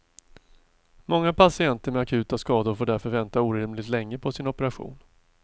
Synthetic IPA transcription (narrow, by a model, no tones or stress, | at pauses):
mɔŋːapʰasɪɛnt̪əɾmɛakʰʉ̟ːt̪askɑːd̪ʊɾfoːɖæɾfœɾvɛnt̪auːɾɪmlɪt̪lɛŋːəpʰɔsɪnɔpəɾaɧṵːn